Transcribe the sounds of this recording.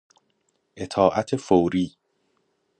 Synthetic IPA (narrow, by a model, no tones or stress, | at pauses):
ʔet̪ʰɒːʔæt̪ʰefowɾiː